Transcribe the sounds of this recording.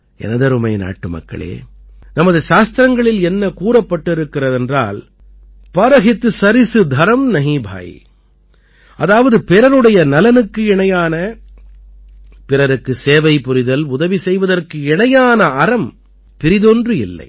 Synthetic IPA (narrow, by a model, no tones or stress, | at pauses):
ʔɛ̰nɐðɐɾɯmɐɪna̰ːʈːɯmɐ̰kːɐ̰ɭḛː | nɐmɐðɯʃaːst̪ɾɐŋɡɐɭɪlɛnːɐkuːrɐpːɐʈːɪɾɯkːɪrɐðɛndra̰ːl | pɐɾɐɣɪt̪ːɯsɐɾɪsɯd̪ʱɐɾɐmnɐɦiːbʱa̰ːj̰ | ʔɐðaːʋɐðɯpɪɾɐɾɯɽɐjɐnɐlɐnɯkːɯɪɳɐjaːnɐ | pɪɾɐɾɯkːɯseːʋɐɪpːʊɾɪðɐlʊðɐʋisɛjʋɐðɐrkɯɪɳɐjaːnɐɐɾɐm | pɪɾɪðɔndrɯɪ̰lːɐ̰ɪ